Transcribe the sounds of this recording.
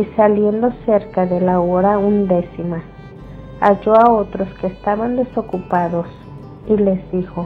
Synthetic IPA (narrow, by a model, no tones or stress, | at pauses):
isaljend̪oseɾkaðelaoɾaund̪esima | ad͡ʒoaot̪ɾoskeːst̪aβand̪esokupaðos | ilezd̪ixo